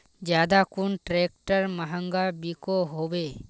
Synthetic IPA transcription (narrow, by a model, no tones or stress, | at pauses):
d͡ʒjaːd̪akunʈɾek̚ʈəɾmɐɦə̃ŋɡabikoɦobe